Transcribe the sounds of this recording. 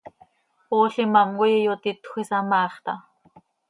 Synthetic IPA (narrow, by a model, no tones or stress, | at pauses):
oːɬimamkojijot̪it̪xʷisɑmɑːχt̪ɑ